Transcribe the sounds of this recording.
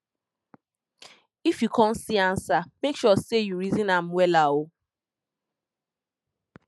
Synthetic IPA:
ifikɔn̩sian̩samekʃɔsejuɾizinam̩welawo

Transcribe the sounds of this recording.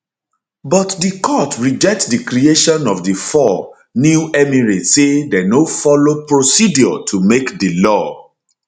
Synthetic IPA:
bɔtdikʰɔtɹid͡ʒɛk̚tdikɾieʃɔ̃nɔvdifɔ | njuʔɛmiɹisedɛnofɔlopɹosidjɔtʰumekdilɔ

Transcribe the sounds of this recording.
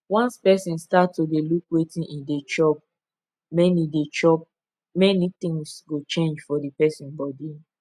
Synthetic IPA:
wãnspɛsĩnstatːodelukwetĩnʔĩndet͡ʃɔp̚ | mɛnidet͡ʃɔp̚ | mɛnit̪ĩŋsɡot͡ʃẽnd͡ʒfɔdipɛsĩnbɔdi

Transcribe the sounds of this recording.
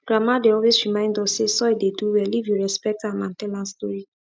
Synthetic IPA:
ɡ̥ɹamadeɔlwesɹimãɪ̃ndɔssesɔideduwɛlivjuɹɛspɛk̚tãmãntɛlãnstɔɹi

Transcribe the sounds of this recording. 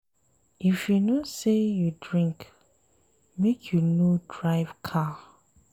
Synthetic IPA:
ʔifjunosejudɹĩŋk | mekʰjunodɹaɪvkʰa

